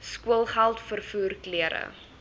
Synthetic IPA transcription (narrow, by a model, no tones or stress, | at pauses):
skuəlˠχælˠtfərfuːrkliəɾə̰